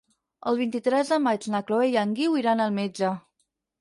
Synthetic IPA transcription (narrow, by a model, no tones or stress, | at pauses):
əlˠβint̪it̪ɾɛzðəmad͡ʒnakloejaŋɡiwiɾanəlˠmed͡ʒə